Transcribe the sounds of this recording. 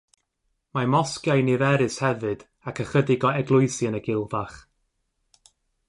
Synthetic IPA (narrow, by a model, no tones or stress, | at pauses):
mamɔskjajnɪvɛɾɨshɛvɨd̥ | akʰəχədɪɡɔɛɡlˠʊɨsiənəɡɪlˠvaχ